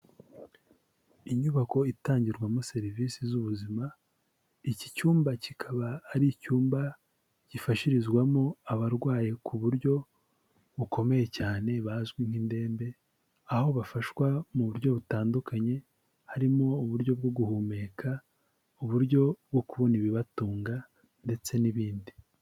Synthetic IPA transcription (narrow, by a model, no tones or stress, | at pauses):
iɲuβako̞itaːɲɟiɾɡwamose̞ɾiviːsizuβuzima | icicuːmbacikʰaβaːɾicuːmba | ɟ̥ifaʃiɾizɡwamo̞aβaɾɡwaːje̞kʰuβuɾɟo̞ | βukʰo̞me̞je̞caːne̞βazɡwiŋ̥hinde̞ːmbe̞ | aho̞βafaʃwamuβuɾɟo̞βutaːndukʰaɲe̞ | haɾimo̞ːβuɾɟo̞b̚ɡo̞ɡuhuːme̞kʰa | uβuɾɟo̞b̚ɡo̞kuβo̞niβiβatuːŋɡa | nde̞t͡se̞niβiːndi